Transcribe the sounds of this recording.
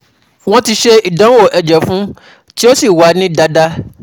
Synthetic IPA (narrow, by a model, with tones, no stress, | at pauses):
w̃ɔ̃˦ti˧ʃe˧i˨dã˨˦wo˦˨ʔɛ˨d͡ʒɛ˨fũ˦ | ti˦o˦si˦˨wa˨˦nĩ˦da˧˦da˦